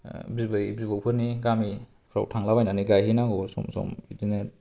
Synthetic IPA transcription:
bibɯjbibawpʰɯɾniɡami | pʰɾa̰wtʰaŋlabajnaniɡajɦhinaɡosɔ̰msɔ̰midinet̚

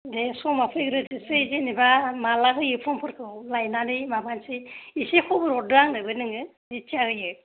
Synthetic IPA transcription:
desɔmapʰɾiɡɾɯdɯsɯzenibamalaɦɯjɯpʰɔmpʰɯɾkʰɯlajnadɯjmabansiisikʰubɯɾɔdɯaŋnɯbɯnɯŋɯ | it͡ʃʰiahɯjɯ

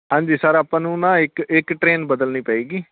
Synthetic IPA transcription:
ɦãːɲd͡ʒiːsəɾaːpãːnũːnãːɪkɪkʈɾeːnbəd̪əlniːpəiːɡiː

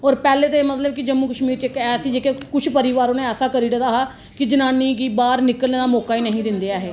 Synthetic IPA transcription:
ɔːɾpɛːleːt̪emət̪ləb̚kɪd͡ʒəmːukəʃmiːɾt͡ʃɪkːɛːsid͡ʒeːkekʊt͡ʃʰpəɾiʋaːɾõːneɛːsaːkəɾiːɖəd̪aːɦaː | kɪd͡ʒənaːniːɡiːbaːɾnɪkəlneːd̪aːmɔːkaːiːnəɦĩːd̪ɪ̃nd̪ejaːɦeː

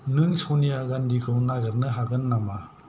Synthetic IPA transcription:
nɯŋsɔnijaɡandikʰɯwnaɡɯɾnɯɦaɡɯnːama

